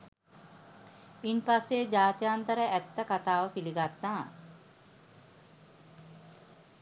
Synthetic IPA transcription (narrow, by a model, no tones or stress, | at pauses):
inpasːed͡ʑaːt̪ijant̪əɾəʔæt̪ːəkat̪aːʋəpiliɡat̪naː